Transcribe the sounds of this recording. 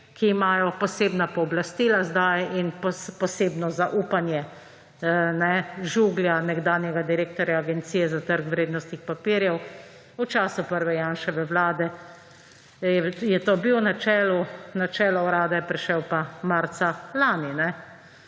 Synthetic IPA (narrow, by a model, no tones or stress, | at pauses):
kiːmaːjɔpɔseːbnapɔːblast̪iːlazd̪ajinppɔseːbnɔzaʔuːpanjɛ | nɛʒuːɡljanɛɡd̪aːnjɛɡad̪iɾeːk̚t̪ɔɾjaːɡɛnt̪sijɛzat̪əɾkʋɾeːd̪nɔst̪nixpapiɾjɛw | ut͡ʃaːsupəɾʋɛjaːnʃɛʋɛʋlaːd̪ɛ | ɛjɛt̪oːbiwnat͡ʃɛːlunat͡ʃɛːlɔwɾaːd̪ɛjɛpɾɛʃɛwpamaɾt̪salaːninɛ